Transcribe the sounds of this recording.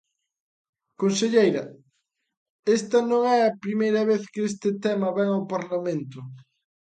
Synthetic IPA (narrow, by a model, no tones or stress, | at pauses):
konseʎejɾɐ | est̪ɐnõŋɛɐpɾimejɾɐβeθkɪes̬t̪ɪt̪ɛmɐβɛŋawpaɾlamẽnt̪ʊ